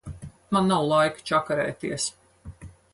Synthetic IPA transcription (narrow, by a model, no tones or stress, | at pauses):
manːawlˠajkt͡ʃakaɾɛ̰ːt̪iɛəs